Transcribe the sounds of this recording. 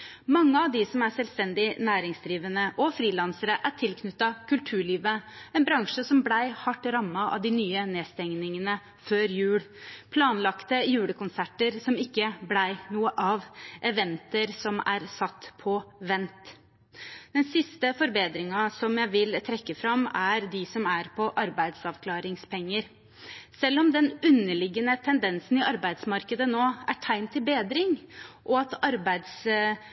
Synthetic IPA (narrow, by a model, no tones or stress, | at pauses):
mɑŋːəɑʋd̪ɪsɔmæʂsɛlst̪ɛnd̪ɪnæːɾɪŋsd̪ɾiːʋənəʔɔfɾiːlɑnsəɾəʔæʈʰɪlkʰnʏt̪ːɑkʰʉlt̪ʰʉːɭiːʋəɛnbɾɑŋʂəsɔmblæɪhɑʈːɾɑmːɑʔɑ̰ʋd̪ɪnyːəneːst̪ɛŋnɪŋənə | føːɾjʉːɽpʰlɑːnlɑkt̪əjʉːɽəkʊnsæʈəɾsɔmɪkːəblæɪnuːəʔɑːʋʔɛʋɛnt̪əɾsɔmæ̰ɾsɑt̪ːpʰɔʋɛnt̪ | d̪̥ɛnsɪst̪əfɔɾbeːd̪ɾɪŋɑsɔmjæɪʋɪlt̪ʰɾɛkːəfɾɑmæɾd̪ɪsɔmæɾpʰɔʔɑɾbæɪd̪sɑʋkʰlɑːɾɪŋspʰɛŋːəɾ | sɛlːɔmd̪ɛnʉnːəɭɪɡːənət̪ʰɛnd̪ɛnsnɪʔɑɾbæɪd̪smɑɾkəd̪ənoːæʈʰæɪnt̪ʰːɪlbeːd̪ɾɪŋʔɔɑt̪ɑɾbæɪd̪s